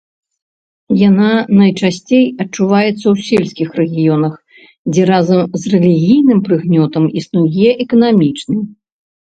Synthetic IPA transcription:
jananɐjt͡ʂasʲt͡sʲejɐt͡ʂuvajɛt̪sːɐwsʲɛlʲsʲkʲixrɛɣʲijɔnɐx | d͡zʲɛɾazɐmzrɛlʲiɣʲijnɨmpɾɨɣnʲɔt̪ɐmisnujɛʔɛkɐnamʲit͡ʂnɨ

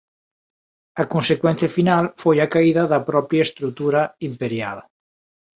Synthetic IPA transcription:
akonsekwɛ̃n̟θjafinalfojakaiðaðapɾɔpɾjaest̪ɾut̪uɾaimpeɾja̰l

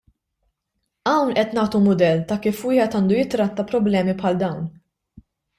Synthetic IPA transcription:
ɐwnʔɛt̪nɐːt̪umʊd̪ɛlːt̪ɐkiːfwɪːħɛt̪ɐːnd̪ujɪt̪ːɾɐt̪ːɐpɾɔblɛːmipħɐld̪ɐwn

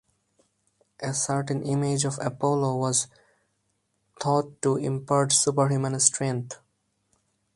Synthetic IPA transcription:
ʔesəɾʈə̃nʔɪmed͡ʒɔʋə̰poːloʋɔz | t̪ʰɔːʈːuɪ̰̃mpəɾʈsupəɾɦjuːmə̃nsʈʰɾɛ̃ŋt̪ʰ

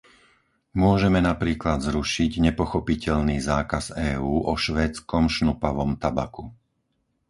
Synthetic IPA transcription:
mʊɔʒɛmɛnapɾiːklad̪zɾuʃiɟɲɛpɔxɔpicɛʎniːzaːkazɛːuːʔɔʃʋɛːt͡skɔmʃnupaʋɔmt̪aba̰ku

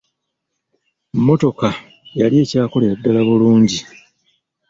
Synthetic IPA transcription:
mːo̞to̞ka | jalije̞ːcaːko̞leadːalaβuluːɲɟi

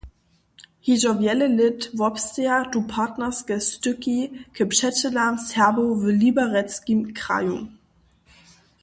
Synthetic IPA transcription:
hiʒɔvjɛləlɪtvɔpstead̥upʰaːtnɐsɡɛstʏkikʰəpʃɛt͡ʃəlamsɛɐbovəlibaʁɛt͡skimkʁa̰jum

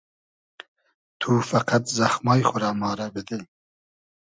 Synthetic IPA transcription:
t̪ʰuːfaqat̪zaxmɑːjχʊɾɑːmɑːɾabɪd̪e

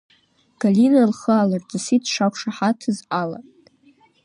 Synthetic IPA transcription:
ɡ̥alʲinalχəalart͡sasitʰʂakʷʰʂaħatʰɨzala̰

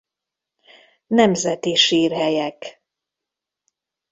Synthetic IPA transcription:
nɛmzɛt̪iʃiːrɦɛjɛk

